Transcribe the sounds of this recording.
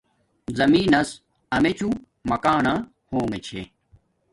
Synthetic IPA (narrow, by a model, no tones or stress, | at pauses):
zɐmiːnɐs | ɐmet͡ɕu | mɐkaːnɐ | hoːŋet͡ɕʰḛ